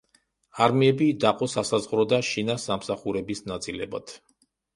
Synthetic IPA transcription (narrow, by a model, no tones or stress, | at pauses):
aɾmiɛbid̪aqʼɔsasazʁɾɔd̪aʃinasamsaχuɾɛbisnat̪sʼilɛba̰t̪ʰ